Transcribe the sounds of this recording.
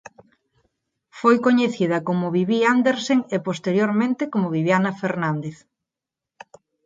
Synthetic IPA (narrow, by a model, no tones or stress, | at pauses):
fojkoɲeθið̞ɐkomʊβiβiand̪eɾseŋepost̪eɾjoɾmẽnt̪ekomoβiβjanɐfeɾnãnd̪eθ